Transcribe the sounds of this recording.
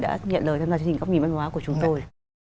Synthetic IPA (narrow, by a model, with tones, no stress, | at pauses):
ɗa̰ː˧˥ɲə̰˧˨nləː˨˩j̪t̪ʰaː˧mzaː˨˩t͡ɕt͡ɕi˨˩ŋ˩˦˥k͡p̚i˧˩mʔŋ̟hwaː˨˦ku˧˩ət͡ɕʊ˨˦ŋ͡mt̪o˧j